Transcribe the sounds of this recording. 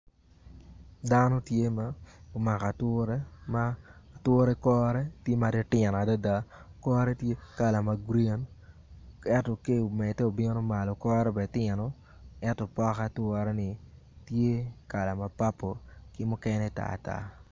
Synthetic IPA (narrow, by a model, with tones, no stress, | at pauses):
da˦nɔ˦tje˦ma˦o˨ma˨ka˨twʊ˦ɾe˦ma˦˨two˦ɾɛ˦kɔ˦ɾɛ˦tje˦ma˨ɾe˦tɪ˨n˨a˨da˦da˦kɔ˦ɾɛ˦tje˦ka˨la˨ma˨ɡɾi˦e˨n | ɛ˦tɔ˨ke˦˨o˨mɛ˨tɛ˦o˨bɪ˦no˦ma˨lo˨kɔ˦ɾɛ˦bɛ˨tɪ˦˨nɔ˦ | ɛ˦tɔ˨pɔ˦ka˦twɔ˦ɾɛ˦nɪ˨ | tje˦ka˨la˨ma˨pa˦pːo˨kɪ˦mʊ˦kɛ˦nɛ˦˨ta̰˦˨ta̰˦